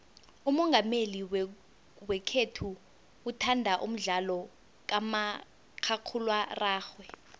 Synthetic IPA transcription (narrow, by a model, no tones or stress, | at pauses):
umɔŋɡʱameliw | wɛkʰetʰuː | tʰandʱaʔum̩ɮalɔ | k̬ama | kʰakʰulwaraːxwɛ